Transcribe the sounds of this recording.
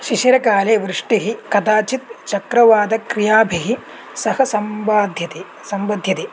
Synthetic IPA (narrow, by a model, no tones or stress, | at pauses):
ʃiʃjɐɾɐkaːleːʋɾɨʂʈiɦikɐd̪aːt͡ʃit̪t͡ʃɐkɾɐʋaːd̪ɐkɾijaːbʱiɦi | sɐɦɐsɐmbaːd̪ʱjɐt̪e | sɐmbɐd̪ʱjɐt̪e